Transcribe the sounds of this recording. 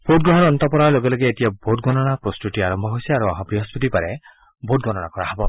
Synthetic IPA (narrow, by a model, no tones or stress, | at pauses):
pʰot̚ɡɾɔɦɔɾɔnt̪ɔpɔɾaloɡelɔɡiet̪ijabot̚ɡɔnɔɽ̃apɾɔstuʈiaɾɔmbʱɔɦojsiaɾuɔɦabɾiɦɔspɔt̪ipaɾe | bʱotɡɔnɔɽ̃a̰kɔɾaɦɔbɔ